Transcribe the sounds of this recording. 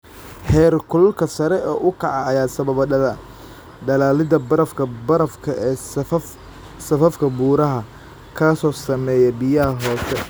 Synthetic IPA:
hɛːrkʰʊlkʰɐsɐɾɛʔɔːʔʊkʰɑʕɑːjaːsɐβɐβɐɖɐða | ɖɐlaːlɪd̪ɐbɐɾɐfkʰɐbɐɾɐfkʰɐʔɛː | sɐfɐfkʰɐbuːɾɐɦɐ | kʰaːsɔːsɐmɛːjɛbɪjaɦɔːsɛ

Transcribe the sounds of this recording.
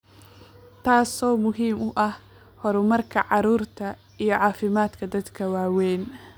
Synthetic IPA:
t̪ʰaːsɔːmʊɦiːmʊʔɐh | hɔɾʊmɐrkʰɐʕɑɾuːrt̪ʰɐ | ijɞʕɑːfɪmaːd̪kʰɐd̪ɐd̪kʰɐwaːwɛːn

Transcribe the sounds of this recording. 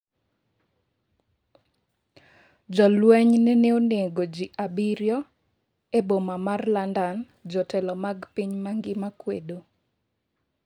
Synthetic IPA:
d͡ʒɔlwɛɲnɛneoneɡod͡ʒiʔabiɾjɔ | ebomamarlandan | d͡ʒɔtɛlɔmaɡpiɲmaŋɡɪmakwedo

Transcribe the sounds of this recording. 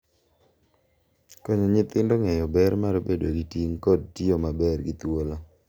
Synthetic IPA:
kɔɲɔɲɪt̪ɪndoŋɛjɔbɛɾmaɾobedoɡitiŋkod̚tiomabɛrɡit̪wola

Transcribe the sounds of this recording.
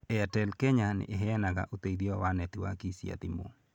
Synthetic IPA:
ɛatɛlkɛɲanɪ̰ʔeɦɛnaɡa̰ʔot̪ediɔwanɛt̪iwa̰kisia̰t̪imo̰

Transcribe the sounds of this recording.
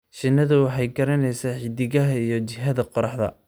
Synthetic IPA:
ʃɪnːɐðʊwɑħɑjɡɐɾɐnɛjsɐħɪd̪ɪɣɐɦɐijɔt͡ʃɪɦɐðɐqɔɾɑħd̪ɐ̰

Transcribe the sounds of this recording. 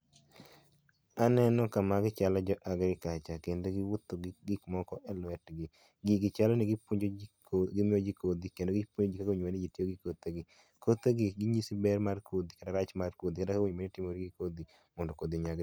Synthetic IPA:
anɛnɔkamaɡɪt͡ʃalad͡ʒɔʔaɡɾɪkat͡ʃakendoɡɪwʊt̪ːoɡɡɪkmɔkɔʔɛlwɛtɡɪ | ɡɪɡɪt͡ʃalɔnɪɡɪpuɲd͡ʒo | ɡɪmɪod͡ʒikod̪ikendoɡɪpuɲod͡ʒikaɡoɲenid͡ʒitjoɡɪkot̪eɡɪ | kot̪eɡɪɡɪɲisibɛɾmarkod̪ikadaɾat͡ʃmarkod̪ikadakawoɲmenitɪmoɾiɡɪkod̪i | mɔndokod̪iɲaɡ

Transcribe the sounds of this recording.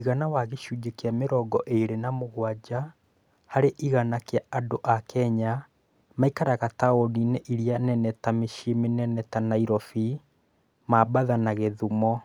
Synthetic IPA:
iɣanawaɣeʃud͡ʒekeameɾɔɡɔʔeɾenamoɣwad͡ʑa | haɾeʔiɣanakjaadoʔakʰɛɲa | maikaɾaɣataonineʔiɾianɛnɛtameʃimenɛnɛtanaiɾɔfi | mabaðanaɣeðumɔ

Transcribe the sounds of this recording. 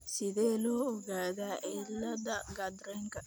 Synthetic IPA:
sɪðeːloːɔɡaːðaʔɪlːɐd̪ɐɡɐd̪ɾɛŋkɐ

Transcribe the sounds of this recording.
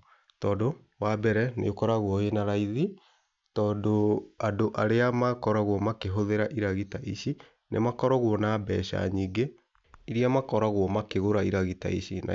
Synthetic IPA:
tɔːdo | wabɛɾɛnḛokɔɾaɣwɔenaɾaiði | tɔːdoadoʔaɾeamakɔɾaɣwɔmakeɦoðeɾaʔiɾaɣitaʔiʃi | nʔḛmakɔɾɔɣwɔnaːbɛ̰ɕa̰ɲiːɡe | iɾiamakɔɾaɣwɔmakeɣoɾaiɾaɣita̰iɕina̰

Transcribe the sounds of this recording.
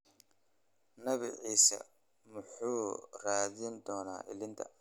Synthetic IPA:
nɐβɪ̰ʕiːsɐ̰ | mʊħuːraːðɪnd̪ɔːna̰ːʔɪ̰lɪnt̪ʰɐ̰

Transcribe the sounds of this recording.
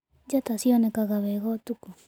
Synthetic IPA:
d͡ʒatasiɔnɛkaɣaβɛɣɔtuku

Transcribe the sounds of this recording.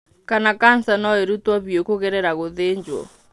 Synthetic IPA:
kanakan̩θanaeɾutwaβjokɔɣɛɾɛɾaɣoðend͡ʒwɔ̰

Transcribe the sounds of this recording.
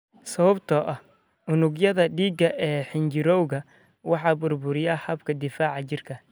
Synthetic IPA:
sɐβɐbt̪ʰɐʔɐh | ʊnʊɡjɐðɐɖiːɡɐʔɛːħɪnt͡ʃɪɾɔwɣɐ | wɑħɑːbʊrbʊɾɪjɐhɐbkʰɐd̪ɪfaːʕɑt͡ʃɪrkʰɐ

